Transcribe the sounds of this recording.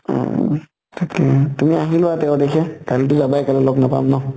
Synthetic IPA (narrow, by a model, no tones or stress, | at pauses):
ɔ̰ | tʰakɛtumiaɦilʊwatɛʊ̃dekʰɛkalit̬ʊzabajkalɛlɔɡnapa̰mnɔ